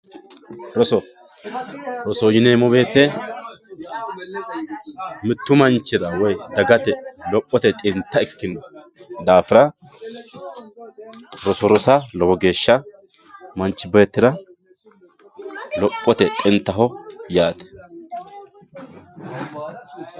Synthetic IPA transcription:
ɾɔsɔ | ɾɔsɔjɪneːmɔbe̞ːt̪ɛ | mɪt̪ːʊmɐnt͡ʃːɪɾɐwɔjd̪ɐɡɐt̪ɛlɔpʼːɔt̪ɛt̪ʼɪnt̪ːɐɛkːɪnɔd̪aːfɪɾɐ | ɾɔsɔɾɔsɐlɔbɔɡe̞ːʃːɐ | mɐnt͡ʃːɪbeːt̪ːɪɾɐ | lɔpʼːɔt̪ɛt̪ʼɪnt̪ːɐɦɔjaːt̪ɛ̥

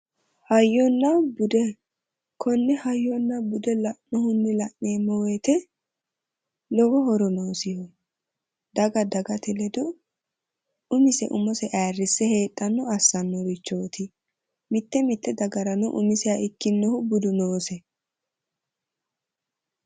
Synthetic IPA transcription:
hɐjːɔnːɐbʊd̪ɛ | kʰɔnːɛhɐjːɔnːɐbʊd̪ɛlɐʔnɔhʊnːɪlɐʔneːmːɔwɛjt̪ɛ | lɔwɔhɔɾɔnoːsɪhɔ | d̪ɐɡɐd̪ɐɡɐt̪ɪlɛd̪ɔ | ʊmɪsɛ̰ʔʊmɔsɛʔarːɪsːɛhe̞ːt̪ʼːɐnːɔɐsːɐnːɔɾɪt͡ʃːo̞ːt̪ʰɪ | mɪt̪ːɛmɪt̪ːɛd̪ɐɡɐɾɐnɔʔʊ̰mɪsɪjaʔɪkːɪnːɔhʊbʊd̪ʊnoːsɛ

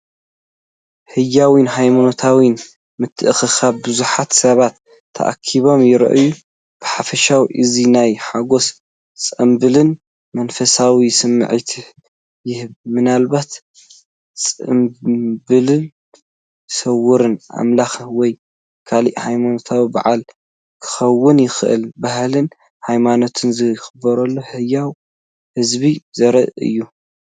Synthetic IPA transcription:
hɨjːawinɦajmonot̪ʰawin | mɨt̪ʰːɨʔɨxɨxaβbɨzuħat̪sɐβat̪ʰː | ɐ̰ʔa̰kʰiβo̞mjɪɾɐ̰ʔɨju | b̥ɨħafɐʃawiʔɨzinajħaɡo̞s | t͡sʼɐmbɨlɨn | mɐnfɐsawisɨmːɨ̰ʕit̪ʰɨ | jɪhɨβmɨnalbat̪ | t͡sʼɨ̰mbɨlɨn | sɐwʊɾɨnʔa̰mlaxɐwɔj | kʰalḭʔhajmanot̪ʰawiba̰ʕal | kʰɨ̥xɐwːɨnjɪxɨʔɨ̰lbahlɨn | hajmano̞t̪ʰɨnzɨxɨbːɐɾɐlːohɨjaw | hɨzbizɐɾɐɨ̰jːu

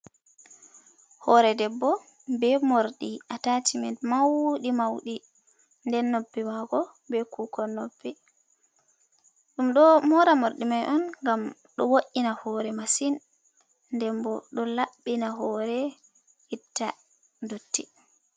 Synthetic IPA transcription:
hɔɾɛdɛbːɔ | bɛmoɾɗiʔatatʰimɛntmawɗimawɗi | ndɛnːobːɛmaɡɔ | bɛkukɔnɔbːɛ | ɗumɗɔmɔɾamoɾɗimajʔɔnŋɡam | ɗɔwoʔinahɔːɾɛmasin | ndɛmbɔɗɔlaɓːinaɦɔɾɛ | hitːa | ndotːi

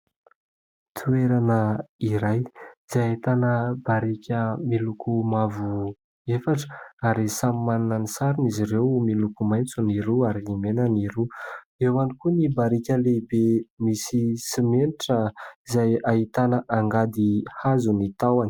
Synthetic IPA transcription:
t̪ʰueɾanəiɾajz̥ait̪anəb̥aɾikʲəmilukumavu | efaʈ͡ʂə̥aɾisamimanunanisaɾuniziɾewmilukumajnt͡suniɾuaɾiimenəniɾu | ewanikunibaɾikʲəlebemisisimeniʈ͡ʂəizajaɦit̪anəʔaŋɡad̪ihazunit̪awani̥

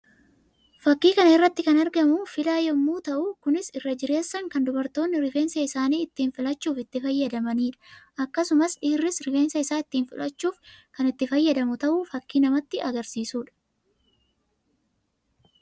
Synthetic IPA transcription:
fɐkːiːkɐnɐɪrːɐt̪ːɪkɐnɐɾɡɐmʊfɪlaːjɛmːuːt̪ɐʔʊkʊnɪsɪrːɐd͡ʒɪɾe̞ːsːɐŋkɐnd̪ʊbɐɾt̪o̞ːnːɪɾɪfe̞ːnsɐɪsaːniːɪt̪ːiːnfɪlɐt͡ʃːuːfɪt̪ːɪfɐjːɐd̪ɐmɐniːᶑɐ̥ʔɐkːɐsʊmɐsᶑɪːrːɪsɾɪfe̞ːnsɐɪsaːɪt̪ːiːnfɪlɐt͡ʃːuːfkɐnɪt̪ːɪfɐjːɐd̪ɐmʊt̪ɐʔuːfɐkːiːnɐmɐt̪ːɪɐɡɐɾsiːsuːᶑɐ̥

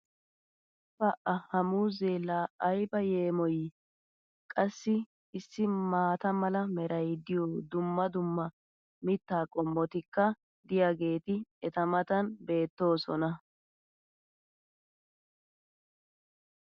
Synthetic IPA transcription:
pɐʔɐhɐmuːzeːlaːʔɐjbɐjeːmɔj | kʼɐsːɪ | ɪsːɪmaːt̪ɐmɐlɐmɛɾɐjd̪ɪjoːd̪ʊmːɐd̪ʊmːɐ | mɪt̪ːaːkʼɔmːɔt̪ɪkːɐ | d̪ɪjaɡe̞ːt̪ɪɛt̪ɐmɐt̪ɐnbe̞ːt̪ːo̞ːsɔnɐ

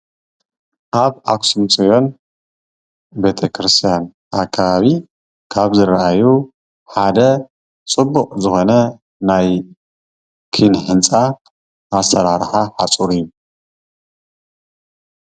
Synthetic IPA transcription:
ʔaβʔa̰ksumt͡sʼijo̞n | be̞t̪ʰɐkʰɾɨst̪ʰijan | ʔakʰːaβaβi | kʰaβzɨɾaʔaju | ħad̪ɐ | t͡sʼɨbːuqʼzɨxo̞nɐ | naj | kʰɨnħɨnt͡sʼa | ʔːsɐɾaɾħaħat͡sʼuɾijːu

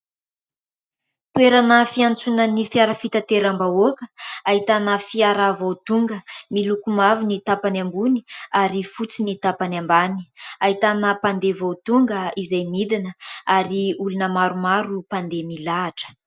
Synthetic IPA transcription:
t̪weɾanəfiant͡sunənifiaɾəfit̪at̪eɾambaokə̥aɦit̪anəfiaɾavowt̪uŋɡəmilukumavinit̪apanamɡuni̥aɾifut͡sinit̪apanambani̥aɦit̪anəpand̪evowt̪uŋɡəizajmid̪inəaɾiulunəmaɾumaɾupand̪emilaːʈ͡ʂə̥

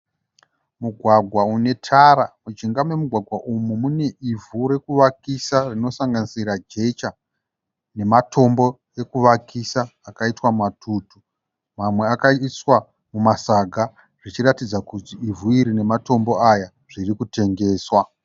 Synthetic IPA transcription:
muɡʱwaɡʱwaune̞tʰaɾamut͡ʃiŋɡamwe̞muɡʱwaɡʱwaʔumumune̞ʔivʱuɾe̞kuʋakisarino̞saŋɡanisiɾad͡ʒe̞t͡ʃa | ne̞matʰo̞mbo̞ | jekuʋakisaːkaitwammatʰuːtu | mamwe̞akaiswa | mumasaɡʱa | ʐit͡ʃiratid͡zakutiivʱuiɾine̞mato̞mbo̞aja | ʐ̥irikute̞ŋɡe̞ːswa

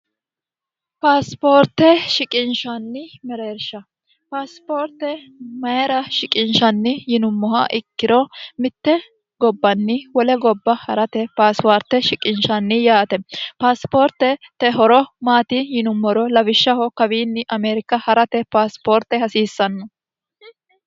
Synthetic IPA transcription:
paːspoːɾt̪ːɛʃɪkʼɪnʃɐnːɪmɛɾeːɾʃɐ | paːspoːɾt̪ːɛmɐjɛɾɐʃɪkʼɪnʃɐnːɪjɪnʊmːɔhɐ̰ʔɪkːɪɾɔmɪt̪ːɛ | ɡɔbːɐnːɪwɔlɛɡɔbːɐhɐɾɐt̪ɛpaːspoːɾt̪ːɛʃɪkʼɪnʃɐnːɪjaːt̪ɛpaːspoːɾt̪ːɛt̪ɛɦɔɾɔmaːt̪ɪjɪnʊmːɔɾɔlɐbɪʃːɐhɔkɐbiːnːɪʔɐmeːɾɪkːɐhɐɾɐt̪ɛpaːspoːɾt̪ːɛhɐsiːsːɐnːɔ

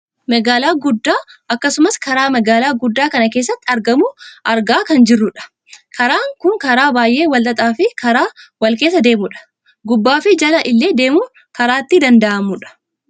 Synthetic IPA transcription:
mɐɡaːlaːɡʊd̪ːaːɐkːɐsʊmɐskɐɾaːmɐɡaːlaːɡʊd̪ːaːkɐnɐke̞ːs̬ːɐt̪ːɪɐɾɡɐmʊʔɐɾɡaːkɐnd͡ʒɪrːʊᶑɐ̥ | kʰɐɾaːŋkʊŋkɐɾaːbaːjʔe̞ːwɐlt̪ʼɐt̪ʼaːfɪkʰɐɾaːwɐlke̞ːs̬ːɐd̪e̞ːmʊᶑɐ̥ | ɡʊbːaːfɪd͡ʒɐlɐʔɪlːe̞ːd̪e̞ːmʊ | kɐɾaːt̪ːɪd̪ɐnd̪ɐʔɐmʊᶑɐ̥

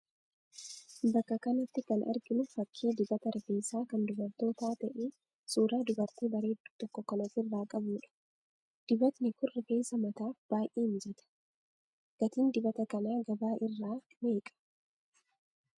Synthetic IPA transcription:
bɐkːɐkɐnɐt̪ːɪkɐnʔɐ̰ɾɡɪnʊfɐkʰːiːd̪ɪbɐt̪ɐɾʔɪfeːsaːkɐnd̪ʊbɐɾt̪o̞ːt̪aːt̪ɐʔeː | suːɾaːd̪ʊbɐɾt̪iːbɐɾeːd̪uːt̪ɔkːɔkɐnɐt̪ːɪrːaːkʼɐbuːᶑɐ̥ | d̪̥ɪbɐt̪nɪkʊrɪfe̞ːsɐmɐt̪aːb̥aːjʔeːnd͡ʒɛt̪ɐ̥ | ɡ̥ɐt̪iːnd̪ɪbɐt̪ɐkɐnaːɡɐbaːʔɪrːaː | me̞ːkʼɐ̥

